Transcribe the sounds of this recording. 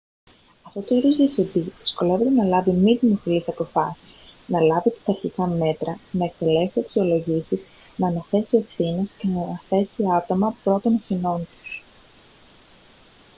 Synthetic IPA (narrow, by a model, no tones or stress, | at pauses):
ɐft̪o̞t̪oiɾozðiefθed̪iðisko̞le̞ve̞t̪enɐlɐvimiðimo̞filisɐpo̞fɐsisnɐlɐvit̪ɐ̥t̪ɐɾçikɐme̞t̪ɾɐnɐek̚t̪e̞le̞fsiɐksio̞lo̞ʝisiz | nɐnɐθe̞sie̞fθine̞sce̞nɐɐθe̞siɐt̪o̞mɐpɾo̞t̪o̞nɐθino̞nt̪u̥s